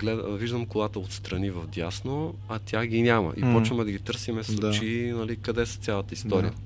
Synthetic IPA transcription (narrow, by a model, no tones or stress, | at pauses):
ɡlɛd̪̰viʒd̪ɐmkolˠat̪əot̪st̪ɾɐnivɐfd̪ʲjasno | ɐt̪ʲjaɡʲinʲamə̰ʔḭpɔt͡ʃvɐmɛd̪ɐɡit̪ɤɾsimɛsˠut͡ʃinɐlikɐd̪ɛsə̥t̪sʲjalˠət̪əist̪ɔɾijə